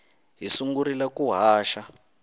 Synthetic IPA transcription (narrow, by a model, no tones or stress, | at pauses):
ɦisuŋɡuɾilakuɦaːʃa